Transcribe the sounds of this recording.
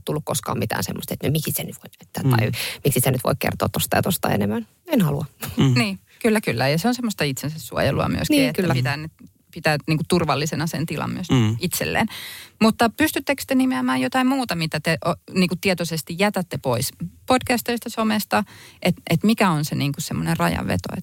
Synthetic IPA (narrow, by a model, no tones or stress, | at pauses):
t̪ulːukkoskɑ̰ːmit̪æ̰ːnsḛmːost̪et̪nømiksisenyt̪ʋoiet̪ːæt̪ɑimiksisenyt̪ʋo̰ikkḛrt̪oːt̪t̪ːost̪ɑjɑt̪ost̪ɑ̰ḛnemæn | enhɑluɑniː | kylːækylːæjɑseonsemːost̪ɑit̪sensæssuo̰jḛluɑ̰my̰ø̰sniːet̪kæpit̪æːne | pit̪æːniːŋkut̪urʋɑlːisenɑsḛnt̪ilʔɑ̰mmy̰øsit̪sḛlːḛːnmut̪ːɑpyst̪yt̪ːekst̪enimeæmæːjjot̪ɑimmuːt̪ɑmit̪æt̪eʔoniːŋkutt̪iet̪osest̪ijjæt̪æt̪ːepoispod̥kæst̪eist̪ɑsomest̪ɑʔet̪ʔet̪mikæonseniːŋkussemːonerrɑjɑ̰ʋḛt̪o̰ḛt̪ː